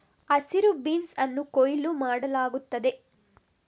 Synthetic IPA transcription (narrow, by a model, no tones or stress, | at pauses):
ɐsiɾubiːnsɐnːukojlumaːɽɐlaːɡut̪ːɐd̪e̞